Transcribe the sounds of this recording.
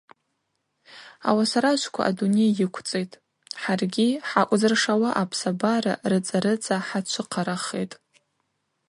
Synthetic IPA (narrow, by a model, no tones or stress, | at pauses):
a̰wasaɾat͡ʃʷkʷʰa̰ʔadunejjɪkʷʰt͡sʼejtʼ | ħarɡʲiħakʷʼzɨrʂawaʔapʰsabaɾa̰rɨt͡sʼaɾɨt͡sʼaħat͡ʃʷʰɨqʰaɾaχḛjtʼ